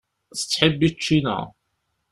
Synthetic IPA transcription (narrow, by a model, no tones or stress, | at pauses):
θə̥t͡sːħəbːit͡ʃːinæ̰